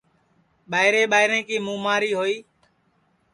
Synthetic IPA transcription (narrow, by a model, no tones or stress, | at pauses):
ɓaːɪɾẽːɓaːɪɾẽːkiːmũːmaːɾiːɦoːiː